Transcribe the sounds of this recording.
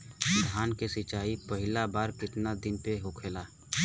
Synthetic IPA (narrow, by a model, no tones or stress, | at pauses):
d̪ʱaːnkesɪt͡ʃaːipəɦɪlabaːɾkɪt̪nad̪ɪnpeɦokʰeːlaː